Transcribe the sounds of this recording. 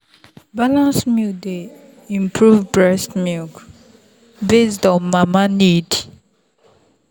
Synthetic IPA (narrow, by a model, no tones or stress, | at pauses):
balãnsmik̚de | ĩmpʰɹuvbɹɛstmilk | bestɔ̃nmamanid